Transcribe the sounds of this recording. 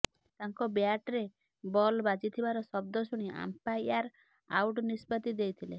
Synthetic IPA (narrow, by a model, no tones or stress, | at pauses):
t̪aŋkɔbeaʈɾe | bɔlbad͡ʒit̪ʰibaɾɔsɔb̚d̪ɔsuɽ̃iʔa̰mpajaɾ | a̰wʈnispɔt̪id̪ejt̪ʰile